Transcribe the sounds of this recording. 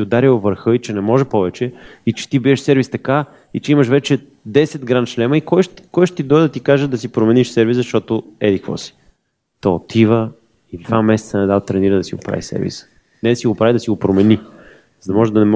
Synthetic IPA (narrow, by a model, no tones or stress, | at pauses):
t̪iod̪aɾiwvəɾxɤit͡ʃɛnɛmɔʒɛpɔvɛt͡ʃɛit͡ʃɛ̥t̪ibiɛʃsɛɾvist̪ɐka | it͡ʃɛiməʃvɛt͡ʃɛ | d̪ɛsɛd̪ɡɾanʃlɛməikɔjʃkɔjʃt̪t̪id̪ɔjd̪ɐt̪ikaʒɛd̪ɐsipɾomɛniʃsɛɾviszzɐʃt̪ɔt̪ʊɛd̪ikvɔ̰si̥ | t̪oot̪ʰivə | id̪vamɛsɛ̥t̪sənɛd̪avt̪ɾɛniɾəd̪ɐsiɡopɾa̰vḭsɛ̰ɾvḭsə̥ | nɛd̪ɐsiɡopɾavid̪ɐsiɡopɾomɛni | zəd̪ɐmɔʒɛd̪ɐnɛm